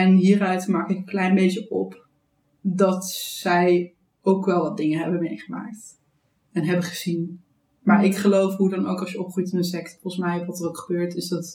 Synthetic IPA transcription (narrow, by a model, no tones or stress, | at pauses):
ɛnɦiːrœɥtmaːkɪkəklɛjnbejt͡ʃəʔɔp | dɑtsɛj | owkʋɛlˠʋɑdɪŋəɦɛbəmejχəma̰ːk̚t | ɛnɦɛbəχəzin | maːɹɪkχəlowfɦudɑnowkɑʃjəɔpχujtɪnənsɛktfɔχənsmɛjʋɑtərowkχəbøːɹtɪsdɑt